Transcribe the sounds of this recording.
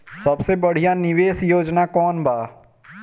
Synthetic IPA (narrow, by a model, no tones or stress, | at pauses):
sɐbsebɐɽ̤ijanɪʋeːsjoːd͡ʒnakɔːnbaː